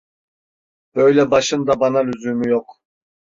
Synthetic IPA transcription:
b̥øjlɛbɑʃɯnd̪ɑbɑnɑlyzymyjoq

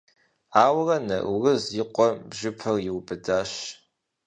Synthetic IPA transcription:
aːwrɐnɐ̰ʔurɨzjɪqʷɔbʒɪpʰɐrjɪwbɨdaːʃ

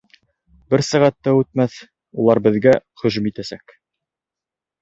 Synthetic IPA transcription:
bɘɾsæʁæt̪ːæʉt̪̚mæθ | ulˠɑɾbɘ̆ðɡæχɵ̆ʒɵmit̪æsæk

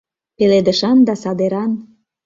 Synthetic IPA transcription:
peled̪əʃɑnd̪ɑsɑd̪eɾɑn

